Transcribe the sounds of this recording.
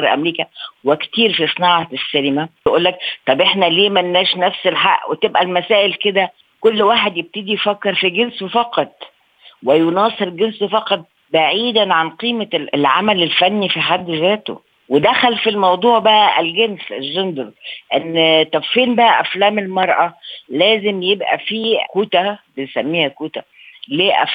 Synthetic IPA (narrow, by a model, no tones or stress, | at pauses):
ɾʔæ̰mɾiːkæwekt̪iːɾfisˤnɑːʕɑsːælɪmæjʔuːlːækt̪ˤɑbʔeħnæliːmænːæːʃnæfselħaʔːwet̪ebʔælmæsæːʔelked̪æ | kolːwaːħed̪jeb̚t̪ed̪ijfækːeɾfiɡenswefɑqɑt̪̚ˤ | wɪjonɑːsˤeɾɡenswefɑqɑt̪̚ˤ | baʕiːd̪ænʕanqiːmelʕa̰mælelfænːifiħad̪ːzæːt̪o̰ | wed̪æxælfilmɑwd̪ˤuːʕbæʔælɡenselʒond̪ɾʔenːt̪ːæfːiːnbæʔæʔæflæːmelmɑɾˤʔɑlæːzemjebʔæ̰fiːkuːt̪æbensæmːiːhækuːt̪æ | leːʔæ̰f